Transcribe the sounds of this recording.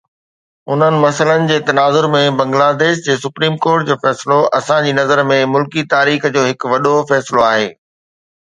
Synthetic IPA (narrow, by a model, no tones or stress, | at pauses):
ʊn̤ənɪ̆mɐsələnɪ̆d͡ʑeːt̪ɐnaːzʊɾmẽbɐ̃ŋɡlaːd̪eːʃd͡ʑeːsʊpɾiːmkoːɾʈ̚d͡ʑoːfɛːsɪloɐsãd͡ʑiːnɐzəɾmẽmʊlkit̪aːɾiːxd͡ʑoːɦɪkʋɐɗofɛːsɪloaːɦeː